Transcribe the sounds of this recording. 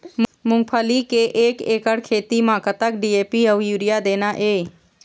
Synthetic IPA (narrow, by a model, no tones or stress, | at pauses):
mʊ̃ŋɡpʰəlikeʔeːkeːkəɽkʰeːt̪imaːkət̪əkɖiːeːpiəwjuːɾijad̪eːnaʔeː